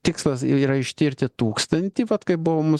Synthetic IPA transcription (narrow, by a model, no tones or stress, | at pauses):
t̪ʲɪkslˠɐsiːɾɐɪʃʲt̪ʲɪɾʲt̪ʲɪt̪uːkst̪ɐnʲt̪ʲiʋɐt̪kɐɪbʊʋomʊ